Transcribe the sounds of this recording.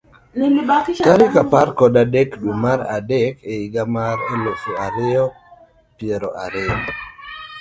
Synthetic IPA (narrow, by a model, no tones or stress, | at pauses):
lɪmɪbakkaɾɪkapaɾkɔdadɛkdumaɾa̰dɛkeiɡamaɾelofeaɾɪɔ | pjeɾɔʔaɾɪɔ